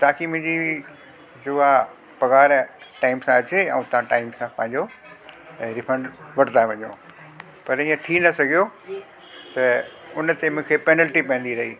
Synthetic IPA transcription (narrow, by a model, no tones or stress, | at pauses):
t̪aːkimʊ̃ɦd͡ʑi | d͡ʑʊa | pɐɣaːɾʈaːɪmsãɐt͡ɕeɛ̰̃ũt̪ɐãʈaːɪmsãpɐ̃ɦɪ̃ɲd͡ʑo | ɾɪfʰə̃ɳɖʋɐɽ̤nd̪aʋɐ̃ɲo̰ː | pɐɾĩːə̃t̪ʰinɐsɐɡʱijo | t̪ɐʊnt̪emʊ̃ɦkʰepɛːnəlʈipɛ̃ːn̆d̪iɾɐɦiː